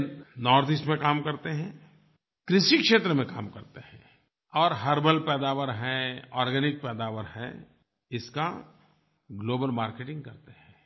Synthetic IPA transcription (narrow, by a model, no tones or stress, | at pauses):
nɔːɾd̪ɪsʈmẽkaːmkɐɾt̪eɦɛ̃ː | kɾɪʃikʃeːt̪ɾəmẽkaːmkɐɾt̪ehɛ̃ | ɔːɾɦɐɾbəlpɛːd̪aːʋəɾɦɛ̃ɔːɾɡɛnɪk̚pɛːd̪aːʋəɾɦɛ̰̃ | ɪska | ɡloːbəlmaːɾkeːʈɪ̃ŋɡ̚kɐɾt̪eɦɛ̃ː